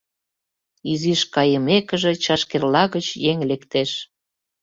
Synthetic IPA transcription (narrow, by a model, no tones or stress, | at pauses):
iziʃkɑjəmekəʒĕt͡ɕɑʃkerlɑɣət͡ɕjeŋlekt̪eʃ